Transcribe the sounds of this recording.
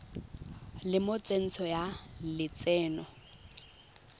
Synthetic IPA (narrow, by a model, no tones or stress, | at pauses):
lɪmot͡sʼen̩t͡sʰɔjalɪt͡sʼɛːnɔ